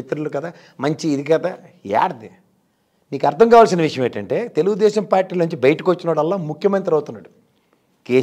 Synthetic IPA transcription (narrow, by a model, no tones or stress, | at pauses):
it̪ɾulukɐd̪aː | mɐɲt͡ʃiːd̪ikɐd̪a | ja̰ːɾd̪i | niːkɐɾt̪ʰɐŋkaːʋaːls̬inɐʋiʂɐjɐ̃meːɳʈɐɳʈe̞ːt̪eluɡud̪ɛːʃɐmpaːɾʈːiːlɐnuɲt͡ʃibɐjʈikot͡ʃːinaːɽɐlːaːmukʰjɐment̪ɾɐwt̪unːaːɽu | keː